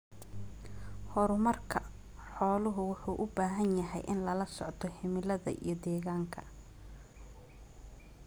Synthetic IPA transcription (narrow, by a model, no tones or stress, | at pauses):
hɔɾʊmɐrkʰɐ | ħɔːlʊɦʊwʊħuːʔʊbaːɦɐnjɐɦɛjʔɪnlɐlɐsɔ̰ʕt̪ʰɔhɪmɪlɐðɐ̰ʔḭjɞd̪ɛːɣaːŋkʰɐ